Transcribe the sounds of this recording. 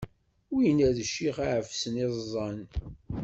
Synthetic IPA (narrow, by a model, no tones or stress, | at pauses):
wijənæðəʃːiχaʕəfsəneˤzˤɑn